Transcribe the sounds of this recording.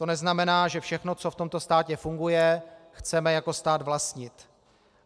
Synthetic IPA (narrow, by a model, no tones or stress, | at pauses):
t̪o̞nɛznamɛnaːʒɛfʃɛxno̞t͡so̞ft̪o̞mt̪o̞st̪aːcɛfuŋɡujɛxt͡sɛmɛjako̞st̪aːd̪vlast̪ɲɪt̪